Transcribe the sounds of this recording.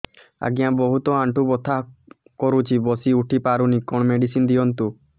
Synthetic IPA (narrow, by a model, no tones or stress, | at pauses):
a̰ɡijãbɔɦut̪ɔaɳʈubɔt̪ʰa | kɔɾut͡ʃʰibɔsiuʈʰipaɾunikɔɳmeɖisind̪iɔnt̪u